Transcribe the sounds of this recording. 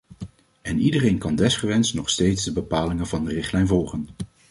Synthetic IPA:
ɛnidərejnkɑndɛsχəʋɛnstnɔχstejtzdəbəpaːlɪŋənvɑndərɪχtlɛjnvɔlˠχən

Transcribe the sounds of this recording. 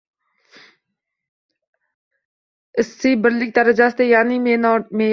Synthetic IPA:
ɪsːiːbəɾlik̚t̪ɐɾəd͡ʒast̪ejaːniːmːnmeː

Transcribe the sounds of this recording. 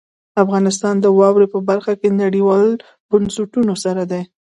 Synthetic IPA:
afɣɑnɪs̬t̪ɑnd̪əwɑwɾepəbaɾxakenaɽiwɑl | b̥ʊnsʊʈunosaɾad̪e

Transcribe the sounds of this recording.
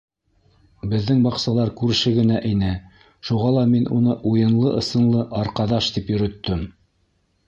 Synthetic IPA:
bɘ̆ðːɘŋbɑqsɑlˠɑɾkʉɾɘ̆ʃɘɡɘ̆næʔinɘ | ʃuʁɑlˠɑminunɤʔujɤ̆nlˠɤʔɤ̆sɤ̆nlˠɤʔɑɾqɑðɑʃt̪ipjɵ̆ɾɵ̆t̪ːɵm

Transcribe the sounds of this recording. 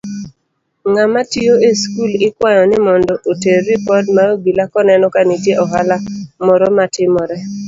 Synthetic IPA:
ŋamatijoeskulɪkwajɔnɪmɔndɔʔoteːipɔdmaoɡilakɔnɛnɔkanitjeʔɔɦalamɔɾɔmatɪmɔɾɛ

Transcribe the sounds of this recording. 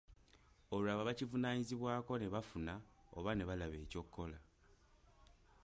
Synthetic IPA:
o̞lulaβaβacivunaːɲiziβwaːko̞ne̞βafunao̞̰βane̞βalaβe̞ːco̞kːo̞la

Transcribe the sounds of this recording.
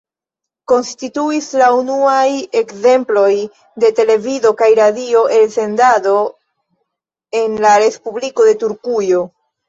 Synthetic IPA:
ko̞nstituislaunuaje̞kze̞mplo̞j | de̞te̞le̞vido̞kajɾadio̞ʔe̞lse̞ndado̞ | e̞nlaɾe̞spubliko̞de̞tuɾkujo̞

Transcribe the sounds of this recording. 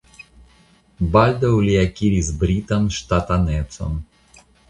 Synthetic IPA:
balʲd̪ɐwlʲiakʲiɾʲizbɾʲit̪ɐmʂt̪at̪anɛt̪sɐ̰m

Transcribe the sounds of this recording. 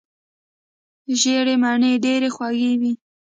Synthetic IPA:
ʒeɽemaɳeɖeɾexwaɣewi

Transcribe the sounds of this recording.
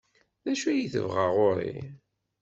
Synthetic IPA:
ðæʃuæjiθə̰vʁəʁʊɾḭ

